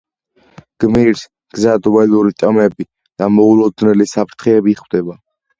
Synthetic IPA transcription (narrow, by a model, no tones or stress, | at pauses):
ɡ̥miɾs | ɡ̥zad̪wɛluɾit̪ʼamɛbi | d̪̥amɔulɔd̪nɛlisapʰɾt̪ʰχɛːbiχwd̪ɛba